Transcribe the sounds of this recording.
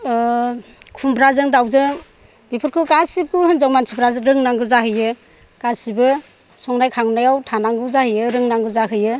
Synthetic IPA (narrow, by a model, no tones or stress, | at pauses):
kʰumbɾazɯŋdawzɯŋ | bipʰɯɾkʰɯkasip̚kʰuhɯnzawmansʰibɾazɯɾɯŋnaŋɡɯzaɦɯjɯ | ɡ̥asibɯ | sɔŋnajkʰaŋnajawtʰanaŋɡɯzahɯjɯɾɯŋnaŋɡɯzaɦɯjɯ